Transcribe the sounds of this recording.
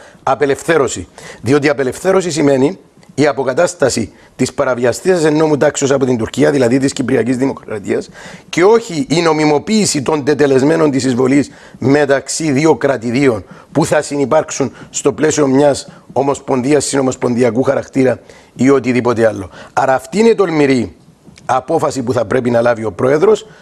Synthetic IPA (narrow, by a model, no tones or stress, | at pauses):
ɐpe̞le̞fθe̞ɾo̞siðio̞t̪iɐpe̞le̞fθe̞ɾo̞sisime̞niː | ɐpo̞kɐt̪ɐst̪ɐsi | t̪ispɐɾɐviɐst̪isɐse̞nːo̞mut̪ɐksiosɐpo̞t̪ind̪uɾciɐðilɐðit̪iscipɾiɐcizðimo̞kɾɐt̪iɐsce̞o̞çiʔːno̞mimo̞piːsit̪o̞nd̪e̞t̪e̞le̞zmeno̞nt̪isizvo̞lis | me̞t̪ɐksiðio̞kɾɐt̪iðio̞npuθɐsinipɐɾksunst̪o̞ple̞sio̞mɲɐs | o̞mo̞spo̞nðiɐsːino̞mo̞spo̞nðiɐkuxɐɾɐkt̪iɾɐ | io̞t̪iðipo̞t̪ealːo̞ɐɾɐːft̪iinet̪o̞lmiɾi | ɐpo̞fɐsipuθɐpɾe̞pinɐlɐvio̞pɾo̞e̞ðɾo̞s